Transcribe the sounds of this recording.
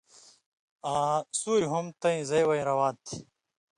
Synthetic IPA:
aːsuːɾiɦumt̪ɐĩzɐjwɐĩɾɐwaːt̪ʰi

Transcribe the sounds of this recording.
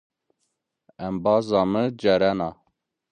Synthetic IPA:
ɛmbɑːzɑːməd͡ʒɛɾɛnɑ

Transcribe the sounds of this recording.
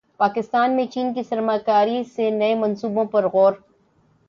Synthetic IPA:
paːkɪst̪aːnmẽt͡ʃiːnkisɐɾmaːkaːɾisenɐemɐ̃nsuːbõpɐɾɣɔːɾ

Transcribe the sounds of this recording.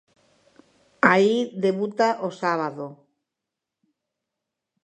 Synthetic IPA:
aiðeβut̪aʔosaβaðo

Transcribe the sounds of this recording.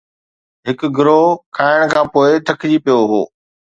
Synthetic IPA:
ɦɪkɡʱʊɾokʰaːɪəɽ̃kʰãːpoːɪt̪ʰɐkʰd͡ʑipijoɦo̰ː

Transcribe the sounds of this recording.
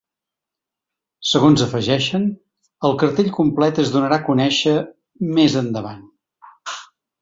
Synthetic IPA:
səɣonzəfəʒɛʃən | əlˠkəɾt̪eʎʲkumplɛt̪əzðunəɾakunɛʃə | mezənd̪əβa̰n

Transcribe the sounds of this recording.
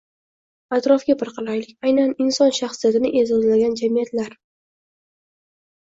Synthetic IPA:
at̪ɾɒfɡʲapɨɾqʰɨlajlɪkʲajnanɪnsɒnʃaχsijat̪ɪnɪʔe̞zɒzlaɡʲand͡ʒamijat̪laɾ

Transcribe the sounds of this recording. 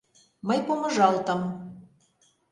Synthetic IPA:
məjpomə̆ʒɑlt̪ɤ̆m

